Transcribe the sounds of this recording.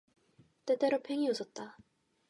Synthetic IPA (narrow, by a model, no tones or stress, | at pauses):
t͈et͈eɾopʰeŋios͈ʰʌt̚t͈a